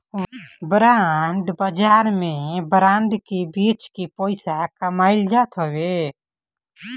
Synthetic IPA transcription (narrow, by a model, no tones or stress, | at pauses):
bɾaɳɖbəd͡ʒaːɾmẽbɾãːɳɖkibiːt͡ʃkipoːɪsakəmaːɪld͡ʒaːt̪ɦoːwe